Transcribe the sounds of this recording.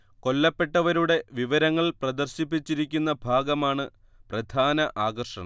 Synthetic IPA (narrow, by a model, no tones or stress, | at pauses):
ko̞lːɐpːe̞ʈːɐʋɐɾuɽe̞ʋiʋɐɾɐŋːɐɭprɐd̪ɐrɕip̬ːit͡ɕːiɾikʲːunːɐbʱaːɡɐmaːɳɨ | prɐd̪ʱaːnɐʔaːɡɐrʂɐ̰ɳɐ̰m